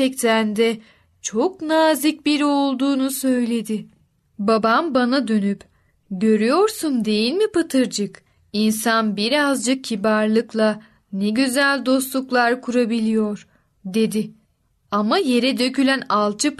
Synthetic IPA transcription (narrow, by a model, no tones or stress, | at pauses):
ɛkt̪ʰænd̪ɛ | t͡ʃʰo̞knaːzik̚biɾo̞lˠd̪uːnusø̞jlʲe̞d̪ɪ | babambanad̪ø̞nyp | ɟø̞ɾyjo̞ɾsund̪e̞jilʲmipat̪ʰɯɾd͡ʒɯk | insanbiɾazd͡ʒɯk̚cʰːibaɾlˠɯklˠa | nɛɟyzælʲd̪o̞st̪lˠuklˠaɾkʰuɾabilʲijo̞ɾ̥ | d̪e̞d̪ɪ | amaje̞ɾɛd̪ø̞cylʲænalˠt͡ʃʰɯp